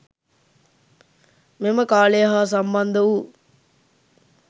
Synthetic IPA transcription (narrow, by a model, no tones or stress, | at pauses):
meməkaːlejəɦaːs̬amband̪əʋu